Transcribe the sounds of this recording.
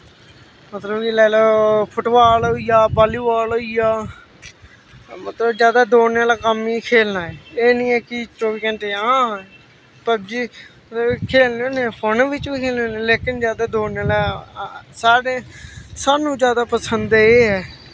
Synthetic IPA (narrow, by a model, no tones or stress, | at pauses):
mət̪ləbkilaːlapʰʊʈʋaːlɦoːijaːbaːliːʋaːlɦoːijaː | mət̪ləbd͡ʒjaːd̪aːd̪oːnaːlaːkəmːiːkʰeːlnaːɛːeːnĩːɛːkɪʈoːʋiːkəɳʈeːãː | pəɾd͡ʒiː | ət̪əbkʰeːlnːneːhʊnʋɪt͡ʃʋiːkʰeːlneoːneːleːkɪnzjaːd̪aːd̪oːnaːlɛ | saːɽeːsaːnũːd͡ʒjaːd̪aːpəsənd̪eːeːɦɛː